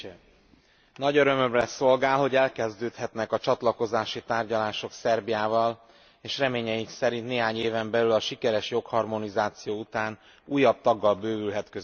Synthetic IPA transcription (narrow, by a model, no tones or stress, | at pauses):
nɒɟøɾø̞mømrɛso̞lɡaːlho̞ɟɛlkɛzd̪øːt̪hɛt̪nɛkɒt͡ʃɒt̪lɒko̞zaːʃit̪aːrɟɒlaːʃo̞ksɛrbijaːvɒl | eːʃrɛmeːɲɛjiŋksɛɾint̪neːɦaːɲeːvɛmbɛlylɒʃikɛɾɛʃjo̞khɒrmo̞nizaːt̪sijoːut̪aːn | uːjːɒb̚t̪ɒɡːɒlbøːvylɦɛt̪køz